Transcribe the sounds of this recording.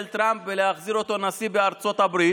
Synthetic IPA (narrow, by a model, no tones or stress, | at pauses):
lt̪ʁampvelehaχziʁo̞t̪o̞nasibeaʁt͡so̞t̪habʁi